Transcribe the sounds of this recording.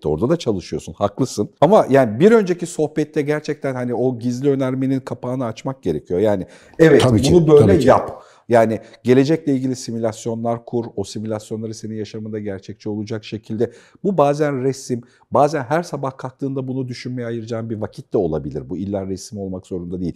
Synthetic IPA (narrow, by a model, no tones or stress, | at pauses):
o̞̰ɾd̪ad̪at͡ʃʰalˠɯʃɯjo̞sunhaklˠɯsɯnamajaːnibiɾø̞nd͡ʒe̞ciso̞hpɛt̪ːɛɟæɾt͡ʃʰɛc̚t̪ʰænhanio̞ɟizlʲiø̞næɾme̞ninkʰapʰaːnɯat͡ʃmak̚ɟ̥e̞ɾe̞cʰijo̞jaːni | ɛvɛt̪ʰibunubø̞jlʲɛjap | jaːni | ɟe̞lʲe̞d͡ʒɛclʲɛilʲɟilʲisimulʲasjo̞nlˠaɾkʰuɾo̞simulʲasjo̞nlˠaɾɯseninjaʃamad̪aɟæɾt͡ʃʰɛc̚t͡ʃʰɛo̞lˠud͡ʒakʃe̞cʰilʲd̪ɛ | bubaːzænɾɛsim | baːzænɦæɾsabahkʰak̚t̪ʰɯːnd̪abunud̪yʃynmejɛajɯɾɯd͡ʒaːnbiɾvacʰit̪d̪ɛo̞lˠa̰bilʲiɾbuilʲːanɾɛsimo̞lˠmakz̥o̞ɾund̪ad̪eilʲ